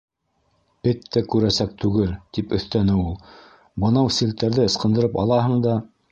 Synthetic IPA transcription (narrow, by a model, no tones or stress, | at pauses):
b̥ɘt̪ːækʉɾæsæk̚t̪ʉɡɘlt̪ipɵ̆θt̪ænɘulˠ | bɤ̆nɑwsilt̪ːæɾðɘɤ̆sqɤ̆nd̪ɤ̆ɾɤpɑ̰lˠɑɦɤ̆ɴd̪ɑ